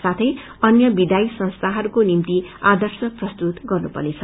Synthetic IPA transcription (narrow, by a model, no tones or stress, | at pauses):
sat̪ʰʌj | ʌnjʌbid̪aisʌ̃ñst̪ʰaɦʌɾukonimt̪iad̪ʱʌrsʌprʌst̪ut̪ɡʌrnupʌ̰let͡sʰʌ